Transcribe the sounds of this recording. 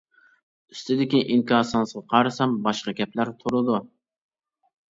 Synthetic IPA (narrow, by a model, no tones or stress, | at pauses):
yst̪ɪd̪ɪkʲiʔiŋkɑːsɑnsəʁɑqʰɑɾɨsɑmbɑʃqɑɡʲɛplæɾt̪ʰuɾɨd̪u